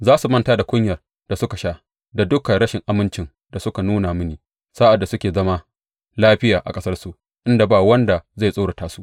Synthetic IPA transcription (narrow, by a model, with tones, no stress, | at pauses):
zaː˦su˨mɐ˦ntaː˦da˨kʷʊ˦ɲjɐ˨r | d̥a˨sʊ˦ka˨ʃaː˦ | da˨dʊ˦ka˨ɽɐ˦ʃɪ˨ŋʔa˨mɪ˦nt͡ʃɪ˨n | da˨sʊ˦ka˨nuː˦na˨mɪ˦niː˨ | sa˦ʔa˨dːa˨sʊ˦kʲeː˨zɐ˦ma˦ | laː˦ɸɪ˦jaː˨ʔa̰˨kʼɐ˦sɐ˦rsu˨ʔ | ʔɪ˦nda˨baː˦˨wɐ˦nda˨za˦˨jsʼaː˦ɽa˨taː˦su˦ʔ